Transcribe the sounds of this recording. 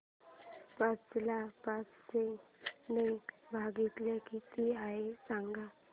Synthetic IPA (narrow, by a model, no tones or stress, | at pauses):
pat͡ʃlapasseŋnebʱaːɡit̪lekit̪iaesãŋɡa